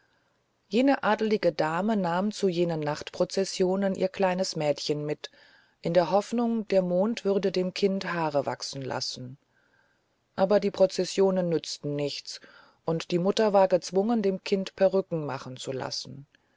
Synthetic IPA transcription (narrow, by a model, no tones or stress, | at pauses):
jeːnəʔaːdl̩ɪɡədaːmənaːmt͡sujeːnənːaχtpʁ̥ot͡sɛsjoːnənʔḭːɐkʰl̥aɪnəsmɛːtçənmɪt | ʔɪndeːɐɦɔfnʊŋd̥eːɐmoːntv̥ʏʁdədeːmkʰɪnthaːʁəva̰ksn̩la̰sn̩ | ʔaːbɐdiːpʁ̥ot͡sɛsjoːnənːʏt͡stn̩nɪçt͡s | ʔʊntd̥iːmʊtɐvaːɐɡət͡sv̥ʊŋəndeːmkʰɪntpʰɛɐʁʏkŋ̩ma̰χn̩t͡sula̰sn̩